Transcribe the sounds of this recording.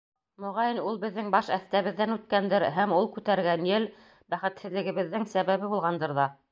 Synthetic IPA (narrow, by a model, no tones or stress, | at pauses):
mŏʁɑjɘnulˠbɘ̆ðːɘŋbɑʃæθt̪æβɘ̆ðːænʉt̪̚kænd̪ɘɾɦæmulˠkʉt̪æɾɡænjɘl | bæχɘ̆t̪hɘ̆ðlɘ̆ɡɘ̆βɘ̆ðːɘŋsæβæβɘbulˠʁɑnd̪ɤɾðɑ